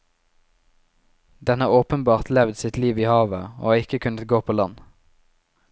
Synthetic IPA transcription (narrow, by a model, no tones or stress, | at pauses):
d̪ɛnəoːpənbɑːʁt̪lɛʋd̪sɪt̪liːʋiːhɑːʋəo̰ːɪkəkʰʉnət̪ɡoːpʰoːlɑn